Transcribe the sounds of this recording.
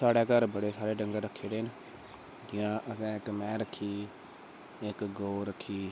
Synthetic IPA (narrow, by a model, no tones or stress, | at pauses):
saːɽɛːkəɾbəɽeːsaːɽeːɖə̃ŋɡəɾɾəkʰːeːɾeːn | d͡ʒɪjãːʔəs̬ɛ̃ːɪkmɛ̃ːɾəkʰːiː | ɪkɡoːɾəkʰːiː